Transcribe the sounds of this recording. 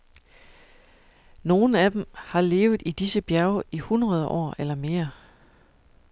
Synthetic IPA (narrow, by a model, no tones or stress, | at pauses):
no̝ːn̩æd̥emhɑ̈le̝ːʊð̩ˠid̥isəb̥jæɐʊihunʁɐð̞ˠʔɒ̰ːelɐme̝ːɐ